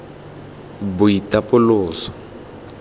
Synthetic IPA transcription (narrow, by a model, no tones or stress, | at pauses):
bʊitapʊlʊːsɔ̥